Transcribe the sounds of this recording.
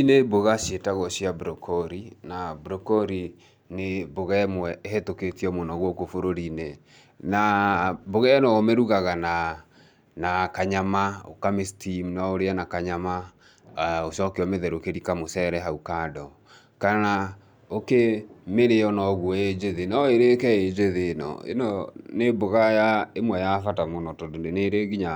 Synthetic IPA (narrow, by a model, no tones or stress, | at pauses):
ineboɣaɕetaɣɔɕiabɾɔkʰɔɾinabɾɔkɔɾi | neboɣɛmwɛeɦetoketiɔmonɔɣwokofoɾoɾine | naboɣɛnɔomeɾuɣaɣana | nakaɲamao̰kamestimnaoɾeanakaɲama | osɔkeɔmeðɛɾokeɾikamosɛɾɛɦaukadɔ | kana | okemeɾeɔnɔɣwɔed͡ʒeðenaeɾekɛed͡ʒeðenɔ̰ḛnɔneboɣajaemwɛjafatamonɔtɔdoneneɾeɣiɲa